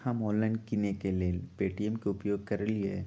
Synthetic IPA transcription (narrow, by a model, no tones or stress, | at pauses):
hɐmɔːlə̃ɳɖkinekeleːlpeːʈiemkeʊpjoːɡ̚kɐɾlie